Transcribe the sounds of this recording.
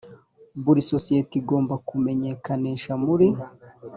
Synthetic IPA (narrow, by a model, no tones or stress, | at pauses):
buɾiso̞sijetiɡo̞ːmbakume̞ɲe̞kaneʃamuɾi